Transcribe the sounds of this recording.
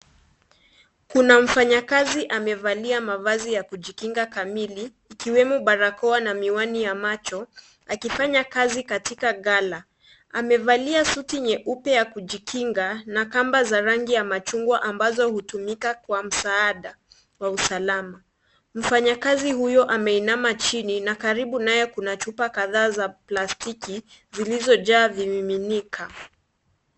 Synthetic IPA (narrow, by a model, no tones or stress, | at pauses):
kunaɱ̩faɲakaziʔamɛvaliamavazijakuʄikiŋɡakamiliːkiwɛmuɓaɾakɔanamiwanijamat͡ʃɔ | akifaɲakazikatikaɣala | amɛvaliasutiɲɛʔupɛjakuʄikʰiŋɡanakambazaɾaŋɡijamat͡ʃuŋɡwaʔambazɔhutumikakwam̩saaɗa | wausalama | m̩faɲakazihujɔʔamɛinamat͡ʃininakaɾiɓunajɛkunat͡ʃupakaðaːzaplastiki | zilizɔʄaːvimiminikʰa